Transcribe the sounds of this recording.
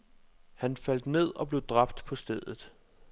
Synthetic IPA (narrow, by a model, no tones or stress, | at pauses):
hænfæl̰d̥ne̝ð̞̰ˠɒ̽b̥le̝ʊd̥ʁɑ̈b̥̚d̥pʰɒ̽sd̥eð̰ˠð̩ˠ